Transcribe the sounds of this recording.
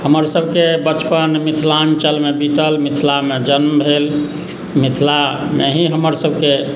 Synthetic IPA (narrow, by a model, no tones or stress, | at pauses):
həməɾsəbʱkebət͡ʃpənmit̪ʰlant͡ʃəlmebit̪əlmit̪ʰlamed͡ʒənmbʱel | mit̪ʰlameɦiɦəməɾsəbʱke